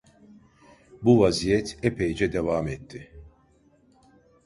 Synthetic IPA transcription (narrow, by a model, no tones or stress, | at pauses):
buvazijɛt̪ʰɛpʰejd͡ʒɛd̪ɛvaːmɛt̪ʰːɪ